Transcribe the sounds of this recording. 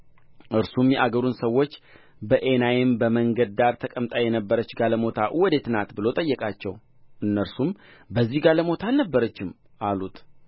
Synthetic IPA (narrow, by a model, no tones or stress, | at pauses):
ʔɨɾsumjɛʔaɡəɾunsəwːo̞t͡ʃː | bəʔe̞najɪmbəməŋɡəd̪̚d̪aɾt̪ʰəkʼəmt̪ʼajɛnəbːəɾət͡ʃːɡaləmo̞t̪ʰaʔwɔd̪e̞t̪nat̪bɨlo̞t̪ʼəjːɛkʼat͡ʃːɛw | ʔɨnːəɾsumbəzːihɡaləmo̞t̪ʰalnəbːəɾət͡ʃːɪm | ʔalut̪